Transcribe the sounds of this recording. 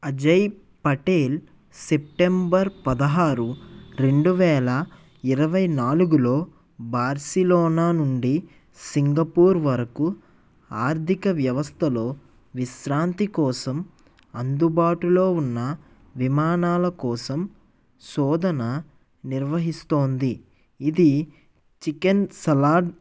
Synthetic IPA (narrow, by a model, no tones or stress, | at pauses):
ɐd͡ʒɐj | pɐʈeːl | sep̚ʈembɐɾpɐd̪ɐɦaːɾuɾe̞ɳɖuʋɛːlɐ | iɾɐʋɐjnaːluɡuloː | baːɾsilɔːnaːnuɳɖi | siŋɡɐpuːɾʋɐɾɐku | aːɾt̪ʰikɐʋjɐʋɐst̪ʰɐlo̞ː | ʋisɾaːnt̪ikɔːsɐm | ɐnd̪ubaːʈulo̞ːunːɐ | ʋimaːnaːlɐkɔːsɐm | sɔːd̪ʱɐnɐ | niɾʋɐɦist̪o̞ːnd̪i | id̪i | t͡ʃikensɐlaːɖ